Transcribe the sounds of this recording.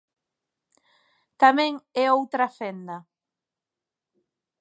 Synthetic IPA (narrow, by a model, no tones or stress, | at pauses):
t̪amẽŋɛowt̪ɾafend̪ɐ